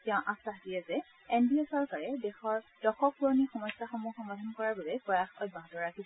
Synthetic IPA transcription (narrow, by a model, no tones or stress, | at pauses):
tɛʊ̃ʔasaɦdijɛzɛ | endiɛsɔɹkaɹɛdɛxɔɹd̥ɔxɔk̚puɔnixɔmɔjsaxɔmuxɔmɡadʱɔnkɔɹaɹbabɛpɔjaxoj̚baɦdɔɹɹakʰisɔ